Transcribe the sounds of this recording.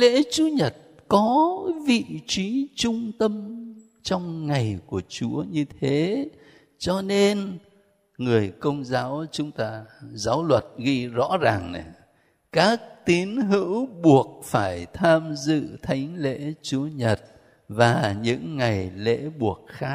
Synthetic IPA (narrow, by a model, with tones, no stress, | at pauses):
lḛ˧˥t͡ɕu˨˦ɲə˨˩t̚ | kɔ˨˦vḭ˧˨t͡ɕi˨˦t͡ɕʊ˧ŋ͡mt̪ə˧m | t͡ɕɔ˧wŋ͡mŋa˨˩jku˧˩ət͡ɕu˨˦əɲɨ˧t̪ʰe˨˦ | t͡ɕɔ˧ne˧n | ŋɨ˨˩əjkə˧wŋ͡mzaː˨˦wt͡ɕʊ˨˦ŋ͡mt̪aː˧zaː˨˦wlwə˨˩t̚ɣi˧zɔ̰˧˥zaː˨˩ŋna˨˩ | kaː˦˥k̚t̪i˨˦ənɦɨ̰˧˥wɓu˨˩ək̚faː˧˩jt̪ʰaː˧mzɨ̰˧˨t̪ʰa˨˦jŋ̟lḛ˧˥t͡ɕu˨˦əɲə˨˩t̚ | vaː˨˩ɲɨ̰˧˥ŋːa˨˩jlḛ˧˥ɓu˨˩ək̚xaː˦˥k̚